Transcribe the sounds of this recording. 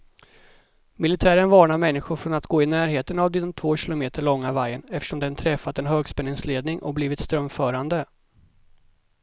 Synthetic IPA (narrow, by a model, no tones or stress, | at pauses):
mɪlɪt̪ʰæːɾənvɑːɳaɾmɛnːɪɧʊɾfɾɔnat̪ɡoːɪnæːɾɦeːt̪ənavd̪ɛnt̪ʰvoːɕɪlʊmeːt̪əɭɔŋːavajːənɛft̪əʂɔmd̪ɛnt̪ʰɾɛfːat̪ɛnɦøːɡspɛnːɪŋsleːd̪nɪŋʔɔ̰bliːvɪt̪st̪ɾœmfœːɾand̪ə